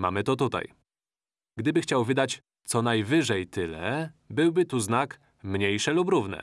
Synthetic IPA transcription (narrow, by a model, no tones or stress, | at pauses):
ma̰mɘt̪ɔt̪ut̪a̰j | ɡd̪ɘbɘxt͡ɕawvɘd̪at͡ɕ | t̪sɔnajvɘʐɛjt̪ɘlɛbɘwbɘt̪uznak | mɲejʂɛlupɾuvnɛ̰